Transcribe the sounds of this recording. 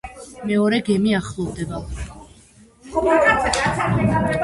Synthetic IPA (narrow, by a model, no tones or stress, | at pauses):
mɛɔɾɛɡɛmiaχlˠɔvd̪ɛba